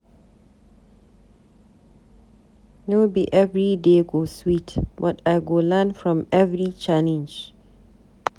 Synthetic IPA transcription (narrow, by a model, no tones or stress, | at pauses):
nobiʔɛvɹideɡoswitbɔtʰajɡolanfɹɔ̃mɛvɹit͡ʃalɛ̃nd͡ʒ